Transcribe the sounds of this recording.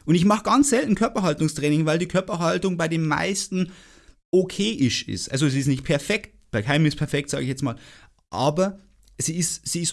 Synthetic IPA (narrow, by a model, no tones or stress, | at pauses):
ʔʊndɪçmaχəɡ̥ant͡sz̥ɛltn̩kʰœɐpɐɦaltʊŋstʁ̥ɛːnɪŋvaɪldiːkʰœɐpɐɦaltʊŋbaɪdeːmːa̰ɪstn̩ | ʔokʰeːʔɪʃɪ̰stʔa̰lzoziːstnɪçt̚pʰɛɐfɛkt̚ | b̥aɪkʰaɪmmɪspʰɛɐfɛk̚ta̰ːɡəɪçjɛt͡smaːl | ʔa̰ːbɐ | z̥iːɪstz̥iːɪs